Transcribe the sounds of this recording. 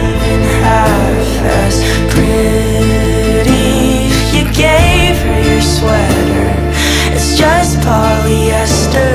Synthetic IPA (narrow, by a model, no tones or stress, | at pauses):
ɨ̃nhæ | v | ɛ̰s | pʰɹ̥ɪ | ɾi | jɨɡeɪ | viə˞swɛ | ɾə˞ | ɨtsd̥ʒ̥ʌstfʰɑ | lˠi | ɛstʌ